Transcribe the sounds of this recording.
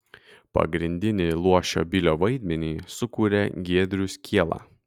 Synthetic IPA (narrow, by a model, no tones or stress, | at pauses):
pɐ̰ɡɾʲɪnʲd̪ʲɪnʲɪlˠuɔʃʲo̰ːbʲɪlʲoːʋɐɪd̪ʲmʲɛnʲiːsʊkuːɾʲeɡʲiɛd̪ʲɾʲʊsʲkʲiɛlˠɑ̰ː